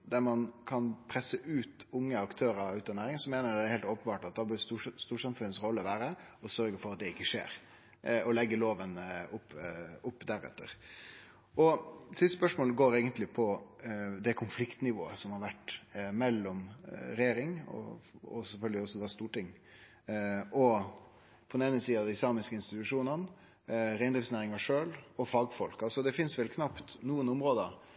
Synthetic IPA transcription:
d̪æɾmɑnkʰɑnpʰɾɛsːəʔʉːt̪ʊŋːəɑkt̪ʰøːɾəɾʉːt̪ɑnːæːɾɪŋsɔmeːnəɾd̪ɛæɾheːlt̪oːpənbɑːʈɑt̪̚d̪ɑbœsust̪uːsɑmfʉnːəsɾɔlːəɔʋæːɾəɔsœɾɡəɾfɔɾɑt̪̚d̪ɛɪkːəʂḛːɾ | ɔlɛɡːəloːʋənʊpːʊpːd̪æɾɛ̰t̪ːə̰ɾ | ɔsɪst̪əspœʂmoːlɡoːɾeːɡənt̪lɪpʰɔ | d̪ɛkʰʊnflɪkt̪nɪʋo̰ːəsɔmhɑɾʋæʈːmɛlːɔmɾɛjeːɾɪŋɔ̰ɔsɛfœlɡəlɪɔsːɔd̪ɑst̪uːʈɪŋː | ɔ | pʰɔd̪neːnəsiːɑd̪ɛɪsɑːmɪskəɪnst̪ɪt̪ʉʂuːnɑn | ɾæɪnd̪ɾɪːsnæːɾɪŋɑʂøːlɔfɑɡfɔlkɑsɔd̪ɛfɪnsʋɛlkʰnɑpt̪nuːənʊmɾoːd̪ə

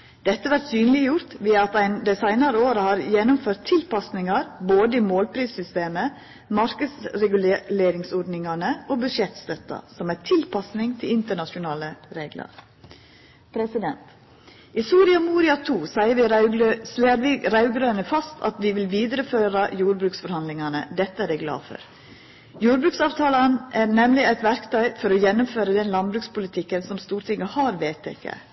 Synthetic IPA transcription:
d̪̥ɛt̪ːəʋæɾt̪syːnlɪəjʊɾt̪ʋɪɑt̪æɪnd̪æɪsæɪnɑɾəoːɾəhɑːɾjɛnʊmføːɾt̪ʰːɪlpɑsnɪŋɑɾboːd̪əiːmoːlpʰɾiːsʏst̪eːmə | mɑɾkəsɾɛɡʉlːleːɾɪŋsɔɾɖnɪŋɑnəʔoːbʉʃɛt̪st̪œt̪ːɑ̰sɔmæɪt̪ʰɪlpɑsnɪŋt̪ʰɪlɪnt̪əɳɑʃʊnɑːləɾeːɡlɑ̰ɾ | pʰɾɛsɪd̪ɛnt̪ | ɪsuːɾɪɑmuːɾɪɑt̪ʰuːsæɪəʋɪɾsleːɾʋɪɾɑʉɡɾøːnəfɑst̪ʰɑ̰t̪ʋɪʋɪlʋiːd̪əɾəføːɾɑjuːɾbɾʉːksfɔɾhɑnd̪lɪŋɑnə̰d̪ɛt̪ːəædɛɪɡlɑ̰ːfɔ̰ɾ | juːɾbɾʉːksɑːʋt̪ʰɑːlɑnʔæɾnɛmlɪæɪt̪ʋæɾkt̪ʰœʏfɔɾɔjɛnːʊmføːɾəd̪ɛnlɑnbɾʉːkspʊlɪt̪ʰɪkːənsɔmst̪uːɾʈ̪ʰɪŋːəhɑɾʋeːt̪ʰḛːkʰḛ

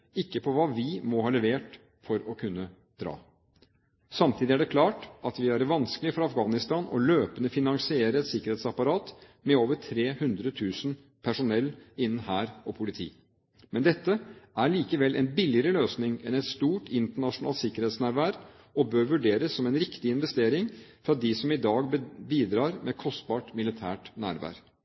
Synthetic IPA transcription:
ɪkːəpʰɔʋɑːʋɪmɔhɑːlɛʋeːʈ | fɔɾɔkʰʉnːə | d̪̥ɾɑ̰ː | sɑmt̪ʰiːd̪ɪæɖɛkʰlɑːʈʔɑt̪ʋɪæɾʋɑnsklɪəfɔɾɑɑfɡɑːnɪst̪ɑːnɔ̰løːpənəfɪnɑŋsɪeːɾəɛt̪sɪkːəɾeːt̪sɑpɑɾɑːt̪mɛoːʋəʈʰɾeːhʉnd̪ɾət̪ʰʉːsn̩ | pʰæʂʊnɛlːɪnːn̩hæːɾɔpʰʊlɪt̪ʰḭː | mɛnd̪ɛt̪ːəæɾɭiːkəʋɛlʔɛ̰nbɪlɪəɾəløːsnɪŋɛnɛt̪st̪uːʈʰɪnt̪əɳɑʂʊnɑ̰lt̪sɪkəɾheːt̪snæːɾʋæːɾ | ɔbøːɾʋʉɖeːɾəsːɔmɛnɾɪkt̪ɪɪnʋɛst̪eːɾɪŋfɾɑd̪ɪsɔmɪd̪ɑːɡbiːd̪ɾɑːɾmʔɛkʰɔst̪̚bɑːʈmɪlɪt̪ʰæ̰ːʈnæ̰ːɾʋæ̰ɾ

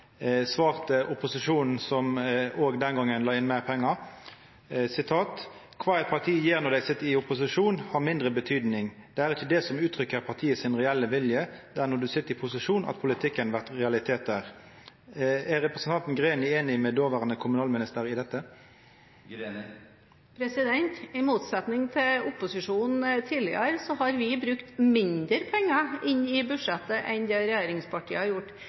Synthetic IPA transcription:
sʋɑːʁt̪əʔʊpʊsɪʂuːnn̩sɔmʔoːɡd̪ɛnɡɑŋːənlɑːɪnmæʁpʰɛŋːɑ | sɪt̪ʰɑːt̪ | kʰʋɑːɛɛɪt̪̚pʰɑʁt̪ʰiːjeːʁnɔʁd̪æɪsɪt̪ːɪʊpʊsɪʂuːnhɑɾmɪnd̪ʁəbət̪ʰyːd̪nɪŋd̪ɛæːɾɪçəd̪ɛsɔmʉːt̪ʰɾʏkːəɾpʰɑʁt̪ʰiːəsɪnʁɛɛlːəʋɪljəd̪̥æːʁnɔd̪ʉsɪt̪ːɪpʰʊsɪʂuːnʔɑ̰t̪̚pʰʊlɪt̪ʰɪkːənʋæʁt̪ʁɛɑlɪt̪ʰeːt̪̚d̪æːʁ | æɾʁɛpɾəsənt̪ʰɑnt̪n̩ɡʁeːnɪeːnɪmɛd̪oːʋæʁənəkʰʊmʉnɑːlmɪnɪst̪əʁɪd̪ɛt̪ːə | pʰɾɛsɪd̪ɛnt̪ɪmuːt̪sɛt̪nɪŋt̪ʰɪlʊpʊsɪʂuːnn̩t̪ʰiːlɪə̰ɾsɔɦɑɾʋɪbɾʉkt̪mɪnd̪əɾpʰɛŋːəɪnːɪbʉʂɛt̪ːəʔɛnd̪eːɾɛjæːɾɪŋspʰɑʈʰiːəhɑɾjʊʈː

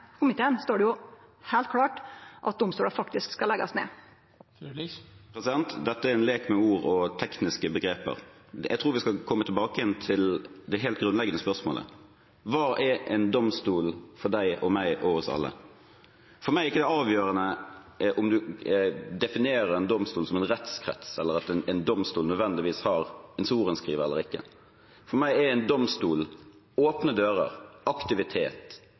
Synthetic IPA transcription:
kʰʊmɪt̪ʰeːənst̪oːɖɛjʊhæːlt̪̚kʰlɑːʈʔɑ̰t̪̚d̪ʊmst̪uːləɾfɑkt̪ɪskskɑlɛɡɑsmɛ̰ | pʰɾɛsɪd̪ɛnt̪d̪ɛt̪ːəæɾɪnleːkmɛuːɾɔt̪ʰɛknɪskəbəɡɾeːpə̰ɾjæɪt̪ʰɾuːɾʋɪskɑkʰɔmːət̪ʰɪlbɑːkəjɛnt̪ʰɪld̪ɛɦeːlt̪̚ɡɾʉnlɛɡənəspœʂmo̰ːlə̰ | ʋɑːʔɛɾɛɪnd̪ɔmst̪uːlfɔd̪æɪɔmæɪʔɔhɔsɑ̰lːə̰ | fɔɾmæɪɾɪkːəd̪ɛɑːʋjøːʁənə | ʔɔmd̪ʉ | d̪ɛfɪneːɾəɾɛnd̪ɔmst̪uːlsɔmɛɪnʁɛt̪skʰɾɛ̰t̪sɛlːəɾɑt̪ɛnɛnd̪ɔmst̪uːlnœd̪ʋɛnd̪ɪʋiːshɑɾɛnsuːɾənskʁiːʋəɾɛ̰lːəɾɪkːə̰ | fɔɾmæɪɛɛɪnd̪ɔmst̪uːl | oːpnəd̪øːɾə̰ɾʔɑkt̪ɪʋɪt̪ʰeːt̪

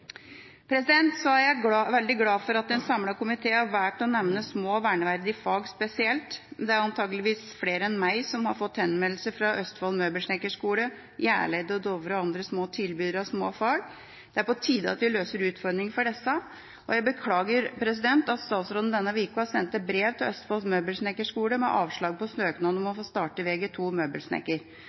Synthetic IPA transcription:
pʰɾɛsɪd̪ɛnt̪sɔæɾjæʋɛld̪ɪɡlɑːfɔɾɑt̪̚ɛnsɑmlɑkʊmɪt̪ʰeːæʋæːʈɔnɛʋnəsmoːʋæːɳəʋæɾd̪ɪfɑːɡspɛsɪɛlt̪d̪ɛæɾɑnt̪ʰɑːɡəlɪʋiːsfleːɾəɛnmæɪsɔmhɑɾfɔt̪ːhɛnmɛllsəfɾɑʔœst̪fɑːlmøːbəlʂɳɛkːəʂkuːlə | jæ̰ːɭæɪd̪əɔd̪ɔʋɾəɔɑnd̪ɾəsmoːt̪ʰɪlbyːd̪əɾɑʋsmoːfɑːɡ | d̪̥ɛæɾpɔt̪ʰiːd̪əɑ̰t̪ʋɪløːsəɾʉːt̪fɔɾɖ̪ɾɪŋfɔɖɛsə | ɔjæɪbəkʰlɑːɡəɾpʰɾɛs̬ɪd̪ɛnt̪ɑt̪st̪ɑːt̪sɾoːd̪n̩d̪ɛnːəʋiːkʊɑsɛnt̪ːəbɾeːʋt̪ʰɪlœst̪fɑːlsmøːbəlsnɛkːəʂkuːləmɛ̰ʔɑːʋʂɭɑːɡ̚pɔsnøːknɑːd̪ɔmɔfoːst̪ɑːʈəʋeːɡɛt̪ʰuːmøːbəlsnɛ̰kːəɾ

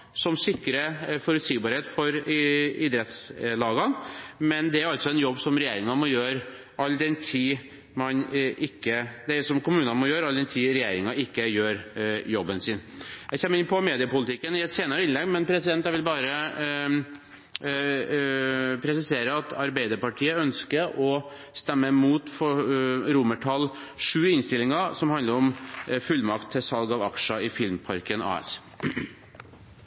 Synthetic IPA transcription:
sɔmsɪkːɾəfɔɾʉt̪siːɡbɑːɾheːt̪fɔɾɪd̪ɾɛt̪slɑːɡɑnmɛnd̪ɛæɾɑlt̪sɔɛnjɔbːsɔmɾɛjeːɾɪŋɑmɔjøːɾ | ɑlːd̪ɛnt̪ʰiː | mɑnʔɪkːəd̪æsɔmkʰʊmʉːnəɑnmɔjøːɾɑld̪ɛnt̪ʰiːɾɛjeːɾɪŋɑɪkːəjøːɾjɔbːənsɪnjæɪçɛmːəɪnpʰɔmeːd̪ɪəpʊlɪt̪ɪkːənɪɛt̪seːnɑɾəɪnlɛɡmɛnpʰɾɛsɪd̪ɛnt̪æʋɪlbɑːɾə | pʰɾɛsɪseːɾəɑt̪ʰɑɾbæɪd̪əɾpɑʈʰiːəœnskəʔɔ | st̪ɛmːəmuːt̪fɔɾʊməʈʰɑlː | ʂʉːɪnst̪ɪlɪŋɑsɔmhɑnd̪ləɾɔmfʉlːmɑkt̪ʰːɪsɑlɡɑʋɑkʂəɪfɪlmpʰɑɾkənʔɑ̰ːɛ̰s

